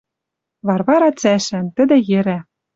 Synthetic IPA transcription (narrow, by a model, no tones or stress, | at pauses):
vɑrβɑɾɑt͡sæʃænt̪ɘ̆d̪ɘ̆jĕɾæ